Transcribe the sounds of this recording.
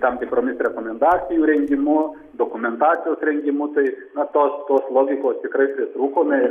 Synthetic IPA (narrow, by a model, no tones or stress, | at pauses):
t̪ɐmt̪ʲɪpɾoːmʲɪsɾʲɛkoːmʲɛnd̪ɑːt͡sʲɪjuːɾʲɛŋʲɡʲɪmʊ | d̪oːkʊmʲɛnt̪ɑːt͡s̪ʲɪjoːsɾʲɛŋʲɡʲɪmʊt̪ɐɪnɐt̪oːst̪oːslˠoːɡʲɪkoːst̪ʲɪkɾɐɪpʲɾʲɪt̪ɾuːkoːmʲɐɪ